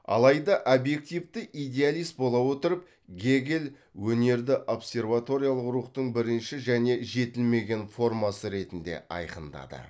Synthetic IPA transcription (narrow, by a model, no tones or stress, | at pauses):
ɑ̰lˠɑjd̪ɑʔobje̞k̚t̪ijvt̪ɪʔijd̪ʲe̞alijst̪bo̞lˠɑwo̞t̪əɾəp̚ | ɡʲe̞ɡʲel | wɵne̞ɾd̪ɪʔo̞psʲe̞rvat̪o̞ɾʲijalˠəqɾuχt̪əɴbɪɾɪnʃɪʒæne̞ʒe̞t̪ɪlme̞ɡʲe̞nfo̞rmasəɾe̞t̪ɪnd̪e̞̰ʔɑ̰jqənd̪ɑ̰d̪ə̰